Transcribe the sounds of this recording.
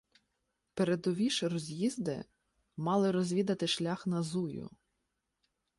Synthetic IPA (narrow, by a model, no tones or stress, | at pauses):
peɾed̪ɔʋʲiʃrɔzʲjizd̪ɪ̰ | mɑlˠɪɾɔzʲʋʲid̪ɐt̪ɪʃlʲɑxnɐzujʊ̰